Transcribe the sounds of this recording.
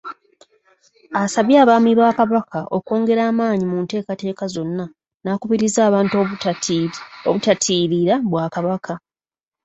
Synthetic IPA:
asaβjaːβaːmiβaːkaβakʰaʔo̞ko̞ːŋɡe̞ɾaːmaːɲimuːnte̞ːkate̞ːkazo̞nːa | naːkuβiɾizaːβaːnt | oβutatʰiːɾiɾaβwaːkaβaka

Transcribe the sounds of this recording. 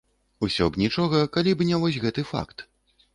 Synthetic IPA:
usʲɔ̰ɡnʲit͡ʂɔɣɐkalʲibɨnʲɛvɔsʲɣɛt̪ɨfa̰kt̪

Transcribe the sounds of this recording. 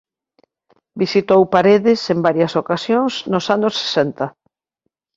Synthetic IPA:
bisit̪owpaɾeðɪsembaɾjɐsokasjoŋsnʊsanʊsːe̥sɛnt̪ɐ

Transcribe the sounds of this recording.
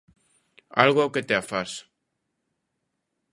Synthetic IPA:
a̰lɣoawket̪eafaɾs

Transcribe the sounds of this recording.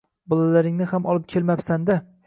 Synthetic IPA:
bɒlalaɾɪŋnɪhamʔɒlˠɪp̚kʲʰelmapsand̪a

